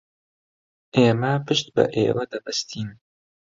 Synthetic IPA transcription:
ʔeːmɐpʰɨʃt̪̚bɐ̰ʔḛːwɐd̪ɐbɐst̪ʰiːn

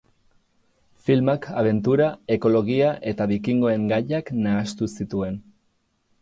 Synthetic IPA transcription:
filmakʰaβ̞e̞nt̪uɾae̞ko̞lo̞ɣiaʔe̞t̪aβikiŋɡo̞e̞ŋɡaʎaknaːst̪usit̪ue̞n

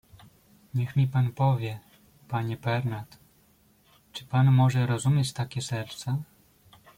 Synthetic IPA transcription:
ɲɛxmʲipanpɔvʲjɛ | paɲɛbɛɾnat̪ | t͡ʂɘ̥panmɔʐɛɾɔzumʲjet͡ɕt̪akʲɛsɛɾt̪sa

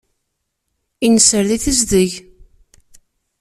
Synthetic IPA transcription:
inəsəɾðiθəzðəʝ

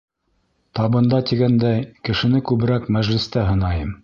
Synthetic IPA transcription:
t̪ɑβɤ̆nd̪ɑt̪iɡænd̪ækɘ̆ʃɘ̆nɘkʉβɘ̆ɾækmæʒlɘ̆st̪æɦɤ̆nɑjɤm

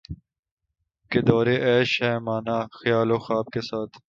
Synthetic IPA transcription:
ked̪ɔːɾeʔɛːʃɛːmaːnaːxjaːloːxaːb̚kesaːt̪ʰ

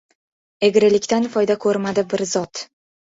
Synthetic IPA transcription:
e̞ɡʲɾɪlɪkʲt̪anfɒjd̪akʰɵɾmad̪ɪbɪɾzɒt̪

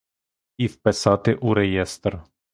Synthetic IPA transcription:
ifpɛsat̪eʔuɾɛjɛst̪ɾ

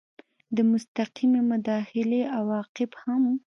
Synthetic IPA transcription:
d̪əmʊst̪aqimemʊd̪ɑxɪleʔawɑqɪbham

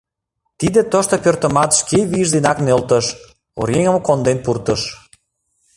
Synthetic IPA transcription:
t̪id̪et̪oʃt̪opørt̪ə̆mɑt̪ʃkeβiʒzenɑknølt̪əʃ | o̰ɾʲjeŋəmkond̪enpurt̪əʃ

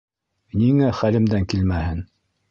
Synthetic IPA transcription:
niŋæχælɘ̆md̪æŋkilmæhɘn

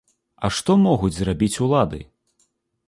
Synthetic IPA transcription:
ɐ̰ʂt̪ɔmɔɣud͡zʲzrabʲit͡sʲulˠad̪ɨ̰

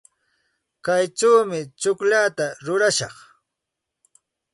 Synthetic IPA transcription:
kajʈ͡ʂawmɪt͡ʃʊkʎat̪aɾʊɾaʃɑχ

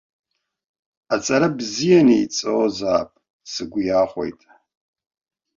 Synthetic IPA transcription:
at͡sʼɐɾɐbzijɛniit͡sʼɨwozaːpʼ | sɨɡʷʊjaːχʷo̰jtʼ

